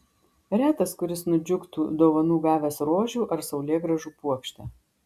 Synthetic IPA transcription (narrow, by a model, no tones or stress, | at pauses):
ɾʲæːt̪ɐskʊɾʲɪsnʊd͡ʒʲʊkt̪uːd̪oːʋɐnuːɡɑːʋʲɛsɾoːʒʲuːʔɐɾsɐʊlʲeːɡɾɐʒuːpuɔkʃʲt̪ʲɛː